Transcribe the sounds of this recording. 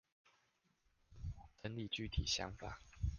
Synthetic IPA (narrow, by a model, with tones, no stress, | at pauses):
t̪ə˧˦nli˨˩t͡ɕy˥˨t̪ʰḭ˨˩ɕjɑ̰˧˦ŋfa̰˨˩˦